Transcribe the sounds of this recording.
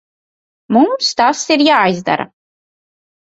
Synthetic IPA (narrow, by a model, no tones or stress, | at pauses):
mumst̪asiɾjaːjzd̪a̰ɾa̰